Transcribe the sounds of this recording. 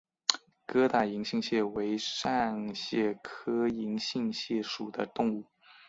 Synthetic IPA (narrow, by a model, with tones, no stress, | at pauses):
kɤ˥t̪a˥˩i˧˥ŋɕi˥˧ŋɕjɛ˥˩we˧˥ɪʂa˥˩nɕjɛ˥˩kʰɤ˥i˧˥ŋɕi˥˧ŋɕjɛ˥˩ʂu˨˩d̪ə˦t̪ʊ˥˧ŋu˥˩